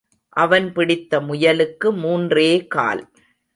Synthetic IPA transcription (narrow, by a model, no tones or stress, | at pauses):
ʔɐʋɐnpɪɽɪt̪ːɐmʊjɐlɯkːɯmuːndreːka̰ːl